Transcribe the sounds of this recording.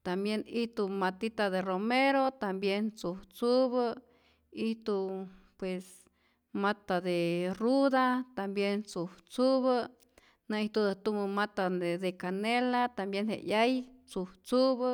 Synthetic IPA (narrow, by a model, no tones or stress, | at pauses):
t̪ambjeniht̪umat̪it̪aðeromeɾot̪ambjent͡suht͡suβə | iht̪upwes | mat̪ad̪eruðat̪ambjent͡suht͡suβə | naiht̪ud̪aht̪uməmat̪aed̪ekanelat̪ambjenhḛʔjaj | t͡suht͡suβə